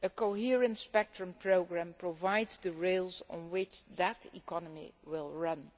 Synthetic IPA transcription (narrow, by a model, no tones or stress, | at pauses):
əkoɦiɹə̃ntspɛk̚tɹə̃mpʰɹoʊɡɹæ̃mpɹovaɪdzdəɹelˠzɔ̰̃nwɪt͡ʃðətʰḭkɔnəmḭwɪlˠɹʌ̃n